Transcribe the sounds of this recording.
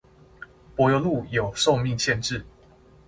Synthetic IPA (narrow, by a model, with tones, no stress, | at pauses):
pwɔ˨˦jo˨˧ʊlu˥˨jo˨˩ʊʂo˥˧ʊmi˥˨ŋɕjɛ˥˧nʈ͡ʂɻ̩˥˨